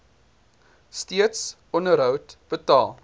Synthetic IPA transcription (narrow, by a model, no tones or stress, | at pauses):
stiəts | ɔnəɾɦœwtb̥ətɑːlˠ